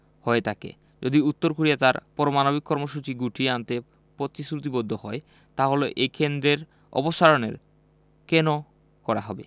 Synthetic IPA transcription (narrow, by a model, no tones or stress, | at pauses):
hɔet̪ʰakḛ | d͡ʑod̪iut̪ːoɾkoɾijat̪aɾpɔɾomanobikːɔɾmoʃut͡ɕiɡuʈʰiant̪e | pɾot̪isɾut̪ibod̪ʱːohɔe | t̪aɦoloʔekend̪ɾeɾ | ɔ̰poʃaɾonḛɾ | keno | kɔɾaɦɔbḛ